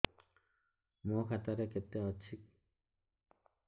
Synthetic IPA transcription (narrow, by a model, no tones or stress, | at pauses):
mokʰat̪aɾeket̪ːeɔt͡ʃʰik̚